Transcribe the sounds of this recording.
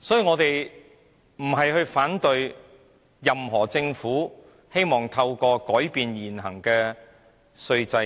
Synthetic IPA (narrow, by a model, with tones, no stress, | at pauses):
sɔː˨˥jiː˨ŋɔː˨˧t̪e˨j | m̩˨˩ɦɐ˨jhɵ˧ɥfaː˨˥nt̪ɵ˨˧ɥ | jɐ˨mɦɔː˨˩t͡sɪ˧ŋfuː˨˥ | he˥jmɔː˨ŋt̪ʰɐ˧wkɔː˧kɔː˨˥jpiː˨njiː˨˩nɦɐ˨˩ŋkɛː˧ | sɵ˧ɥt͡sɐ˧